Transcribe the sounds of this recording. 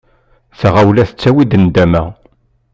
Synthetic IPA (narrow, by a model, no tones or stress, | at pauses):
θəʁawlæθə̥t͡sːæwid̪ənd̪æmæ